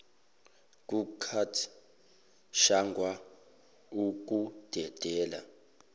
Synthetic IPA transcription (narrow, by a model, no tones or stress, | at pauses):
k̬ʼukʰatʰ | ʃaŋɡʱwa | uk̬ʼud̥ʱɛd̥ʱɛːla̰